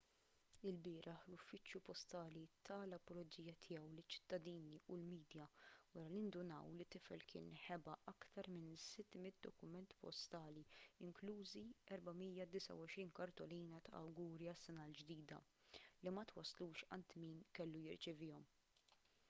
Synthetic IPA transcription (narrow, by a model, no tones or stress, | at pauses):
ɪlbɪːɾʔɐħlʊfːɪt͡ʃjupɔst̪ɐːlit̪ʰɐlɐpɔlɔd͡ʒiːjːɐt̪ʰɪjɛwlɪt͡ʃːɪ̥t̪ːɐd̪iːniʊlmiːd̪jɐwɐɾɐliɪnd̪ʊnɐ̰wlɪt̪ːɪfɛ̰lkʰɪ̰ːnħɛbɐʔɐkt̪ɐɾmɪnsɪt̪ːmɪt̪̚d̪ɔkʊmɛnt̪pɔ̰st̪ɐːliɪŋkluːziɛɾbɐmiːjɐd̪ɪsɐ̰wɔʃɾiːnkɐɾt̪ɔliːnɐt̪ɐ̰ʔɐ̰wɡuːɾiɐsːɛnɐld͡ʒd̪iːd̪ɐ̰ | limɐt̪wɐsːluːʃɐ̰nt̪miːnkɛlːujɪɾt͡ʃɪvɪːɔm